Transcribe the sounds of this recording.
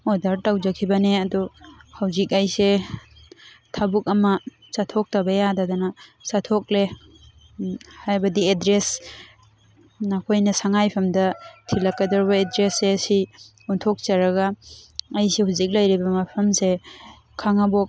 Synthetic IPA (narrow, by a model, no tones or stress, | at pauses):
odaɾtawzakʰibɐneadɔhawzik̚ajse | tʰabuk̚ɐmɐ | satʰɔk̚tabɐjadadanasatʰɔk̚le | hajbɐdiedɾes | nakʰojnɐsaŋajpʰɐmdɐtʰilakːadɔɾbaedɾesesi | untʰɔk̚t͡ʃaɾaɡaː | jsehuzik̚lajɾibɐmapʰɐmse | kʰaŋabɔk̚